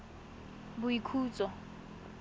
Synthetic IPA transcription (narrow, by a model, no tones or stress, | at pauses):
bʊikʰuːt͡sʼɔ